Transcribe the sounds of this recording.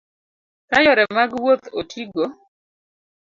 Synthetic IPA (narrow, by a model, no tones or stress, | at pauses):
kajɔɾɛmaɡwot̪otʰiɡo